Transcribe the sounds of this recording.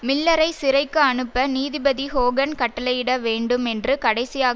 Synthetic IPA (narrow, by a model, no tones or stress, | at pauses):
mɪlːɐɾɐɪsɪɾɐɪkːɯɐɳɯpːɐniːðɪbɐðihoːɡɐnkɐʈːɐlɐɪɪɽɐʋeːɳɖɯmɛndrɯkɐɽɐɪsɪjaː